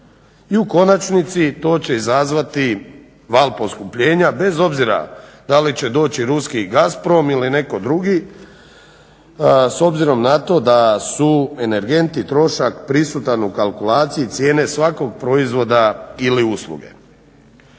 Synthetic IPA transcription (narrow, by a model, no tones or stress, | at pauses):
iuko̞nat͡ʃnit̪sit̪o̞ːt͡ɕe̞izazʋat̪i | ʋaːlˠpo̞skupʎe̞ːɲabe̞zo̞bziɾa̰d̪alit͡ɕe̞d̪o̞ːt͡ɕiɾuskiɡaspɾo̞miline̞ko̞d̪ɾuɡi | so̞bziɾo̞mnat̪o̞d̪asue̞ne̞ɾɡe̞nt̪it̪ɾo̞ʃakpɾisut̪anukalˠkulˠaːt̪sijit̪sje̞ːne̞sʋako̞ɡ̚pɾo̞izʋo̞d̪ailiuslˠṵɡe̞̰